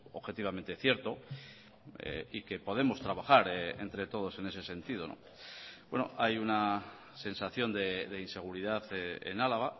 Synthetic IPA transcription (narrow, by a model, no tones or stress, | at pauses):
o̰βxe̞t̪iβ̞ament̪e̞θje̞ɾt̪o̞ | ḛike̞po̞ð̞e̞mo̞st̪ɾaβaxaɾeḛnt̪ɾe̞t̪o̞ðo̞se̞ne̞se̞se̞nt̪iðo̞̰no̰ | bwe̞no̰ʔajuna | se̞nsaθjo̞nd̪e̞ðeinse̞ɣ̞uɾiðaθḛnalaɣ̞a